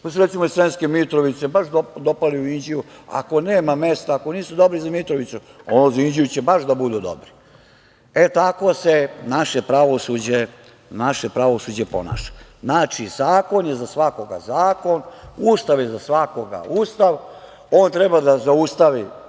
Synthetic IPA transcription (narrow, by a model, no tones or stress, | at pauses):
pasɾt̪simoisɾenskemit̪ɾoʋit̪sebaʃd̪od̪opaliuind͡ʑijua̰ko̞neːmame̞st̪aːko̞niːsud̪o̞bɾizamit̪ɾoʋit̪su | onozaind͡ʑijut͡ɕebaʃd̪abud̪ud̪o̰bɾi | et̪ako̞senaʃe̞pɾaʋosud͡ʑe | naʃepɾaʋo̞sud͡ʑepo̞̰na̰ːʃḁznaːt͡ʃizaːko̞njezasʋakoɡa̰zaːko̞nust̪aʋjezasʋako̞ɡa̰ust̪aʋ | o̞ːnt̪ɾebad̪azaust̪aʋi